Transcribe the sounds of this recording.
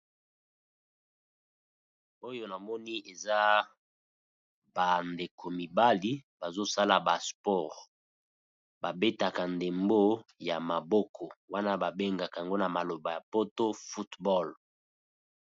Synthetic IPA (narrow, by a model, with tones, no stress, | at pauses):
o˦jo˦na˨mɔ˦ni˦e˨za˦ | ba˨nde˨kʰo˨mi˨ba˦li˦ba˨zo˦sa˦la˨ba˨spɔ˦˨ʁ | ba˨be˦ta˨ka˨nde˨mbo˦ja˨ma˨bɔ˦kʰɔ˨wa˦na˦ba˨be˦ŋɡa˨ka˨a˨ŋɡo˦na˨ma˨lo˨ba˨ja˨po˦to˦fu˦tbɔ˦˨l